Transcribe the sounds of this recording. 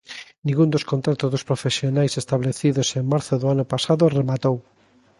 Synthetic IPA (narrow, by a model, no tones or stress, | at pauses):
nĩŋɡund̪oskõnt̪ɾat̪ozðospɾofesjonajsest̪aβleθiðoseŋmaɾθoðoanʊpasaðʊremat̪ow